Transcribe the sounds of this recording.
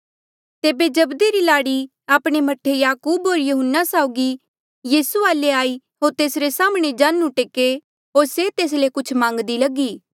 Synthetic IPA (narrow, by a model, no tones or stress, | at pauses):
t̪eːbed͡ʒɐbd̪iɾilaːɽi | aːpɽ̃emɐʈʰːejaːkuːbɦoːɾjɐɦʊnːasaːʊɡi | jiːsuaːleaːi | ɦoːɾt̪eːsɾesaːmɽ̃ed͡ʒãːnũʈeːke | ɦoːɾset̪eːs̬lekʊt͡ʃʰmãːŋɡd̪ilɐɡiː